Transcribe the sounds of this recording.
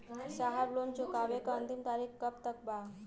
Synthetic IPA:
saɦablont͡ɕokaʋekənt̪imt̪aɾikkəpt̪ək̚ba

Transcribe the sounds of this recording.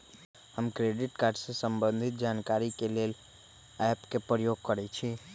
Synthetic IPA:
həmkɾeɖiʈkaɾɖsesəmbə̃nd̪ʱit̪̚d͡ʒankaɾikelel | ɛpkepɾəjoɡ̚kəɾɛt͡ʃʰi

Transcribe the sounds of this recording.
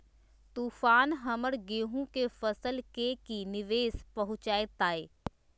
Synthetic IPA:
t̪uːfaːnɦɐməɾɡeːɦũkefɐsəlkekinɪʋeːspɐɦʊ̃t͡ʃaːjet̪aːeː

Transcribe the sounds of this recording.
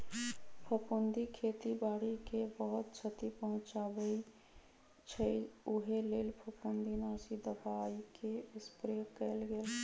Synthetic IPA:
pʰəpʊnd̪ikʰeːt̪ibaːɽikebəɦʊt̪t͡ʃʰət̪ipəɦʊ̃t͡ʃaːbəi | t͡ʃʰəʊɦeleːlpʰəpund̪ʱinaːsid̪əbaːikeɪspɾokəlɡeːl

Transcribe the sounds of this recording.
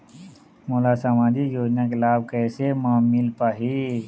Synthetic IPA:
moːlasaːmãːd̪ijoːd͡ʒnakelaːb̚kɛːsemãːmɪlpaːɦi

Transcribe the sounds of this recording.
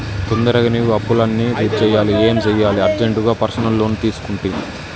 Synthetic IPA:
k̪ond̪ɐɾɐɡɐniɐpːulɐnːiɾiːɾt͡ʃɛːjaːlieːmd͡ʒɛjːaːliɐɾd͡ʒeɳʈuɡaːpɐɾsɐnɐlːo̞ːnut̪iːsu̥kuɳʈund̪i

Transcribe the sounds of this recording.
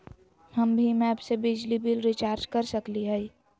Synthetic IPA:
həmbʱimɛːbsebɪd͡ʒlibɪlɾɪt͡ʃaːɾd͡ʒkɐɾsəkliɦɛi

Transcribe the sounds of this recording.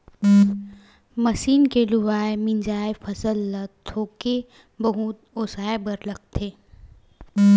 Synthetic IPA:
məsiːnkelʊʋaːemɪ̃nd͡ʒaːefɐsəlːət̪ʰːoːke | bɐɦʊt̪oːsaːebəɾlək̚t̪ʰeː

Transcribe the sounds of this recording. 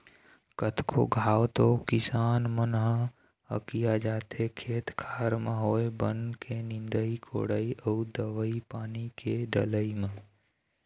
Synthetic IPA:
kət̪ʰkʰo̰ɡʱaːwt̪okɪsaːnmənɦə̃ | ə̰kijad͡ʒaːt̪ekʰeːt̪kʰaːɾmə̃ɦoːebənkʰenɪ̃nd̪əikʰo̰ːɽəiʔəud̪əʋəipaːnikeɖə̰ləimə̃

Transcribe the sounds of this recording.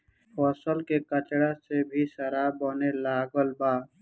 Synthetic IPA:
ɔːsəlkekət͡ʃɽasebʱisəɾabonelaːɡəlbaː

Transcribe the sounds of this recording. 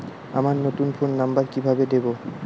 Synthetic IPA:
amaɾnot̪unpʰonːambaɾkibʱabed̪ebo

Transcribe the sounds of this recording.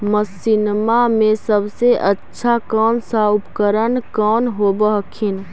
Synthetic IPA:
məsinmamesəbseʔətːʃʰakənsapkəɾənkɔnɦobəɦkʰin

